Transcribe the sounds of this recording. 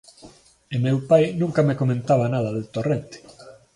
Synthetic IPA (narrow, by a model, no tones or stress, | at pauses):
emewpajnũŋkamekomẽnt̪aβanað̞ɐðelt̪orent̪e̥